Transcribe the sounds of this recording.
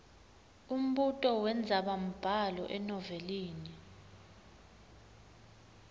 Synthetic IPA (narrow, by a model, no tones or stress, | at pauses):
um̩ɓutʼɔwɛnd͡zʱaɓam̩b̥ʱalɔ̰ʔɛnɔveliːni